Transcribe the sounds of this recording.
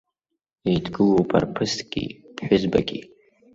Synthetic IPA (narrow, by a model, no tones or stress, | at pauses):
itʰɡɨlopʰa̰rpʰɨstʰʼɡ̥ʲḭpħʷᶣʊzbaɡʲi